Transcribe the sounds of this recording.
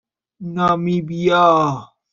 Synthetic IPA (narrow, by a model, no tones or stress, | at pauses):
namibija